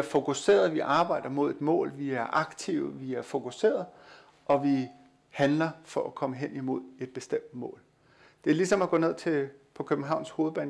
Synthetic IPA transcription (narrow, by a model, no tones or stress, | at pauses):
æɐfo̝kʰuse̝̰ːɐðˠʋiʔɑ̈ːb̥ɑ̈ɪ̰d̥ɐmo̝ð̞̰ˠe̝d̥mɔ̰̽ːlʋiæɐʔɑ̈ɡ̥t͡sʰiʊəʋiæɐfo̝kʰuse̝̰ːɐðˠ | ʔɒ̽ʋi | hænlɐfɒ̽ʔækʰɒ̽məɦen̰imo̝ð̰ˠe̝d̥̚b̥e̝sd̥em̰d̥mɔ̰̽ːl | d̥e̝ælisɒ̽mæɡ̥ɔ̽ːne̝ð̰ˠt͡sʰe̝pʰɒ̽kʰøb̥m̩ɦɑ̈ʊ̰nsho̝ːð̩ˠb̥ɛ̰ːn